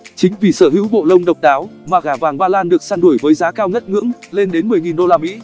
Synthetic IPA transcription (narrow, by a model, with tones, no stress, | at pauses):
t͡ɕï˨˦ŋ̟vi˧˩səː˧˩ɦɨ̰˧˥wɓo̰˧˨lə˧wŋ͡mɗə˨˩wk͡p̚ɗaː˨˦wmaː˨˩ɣaː˧˩vaː˨˩ŋɓaː˧laː˧nɗɨ˨˩ək̚saː˧nɗu˧˩əjvəː˨˦jzaː˨˦kaː˧wɲə˦˥t̚ŋɨ̰˧˥ŋle˧nɗe˨˦nmɨ˨˩əjŋi˨˩nɗo˧laː˧mḭ˧˥